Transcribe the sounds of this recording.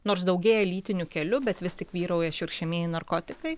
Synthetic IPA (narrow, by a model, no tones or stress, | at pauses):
noːɾs̬d̪ɐʊɡʲeːjɛlʲiːt̪ʲɪnʲʊkʲɛlʲʊbʲɛt̪ʋʲɪst̪ʲɪkʋʲiːɾɐʊjɐʃɪɾʃʲɛmʲeːjɪnɐrkoːt̪ʲɪkɐɪ